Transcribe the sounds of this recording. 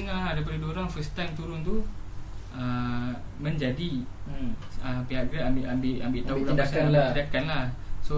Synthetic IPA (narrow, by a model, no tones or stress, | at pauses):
əŋadajp̬adəduooɾaŋfəst̪ajmt̪uɾʊnt̪u | əmmə̃ɲd͡ʒadi | əpiɦaʔɡɾaʔambɪʔambɪʔambɪʔt̪auladasaaat̪idakanlahso